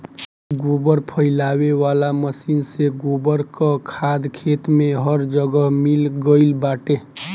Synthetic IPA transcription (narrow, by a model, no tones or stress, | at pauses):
ɡobəɾpʰəɪlaweʋalaməsinseɡobəɾkəkʰad̪kʰet̪meɦəɾd͡ʒəɡəɦmilɡəɪlbaʈe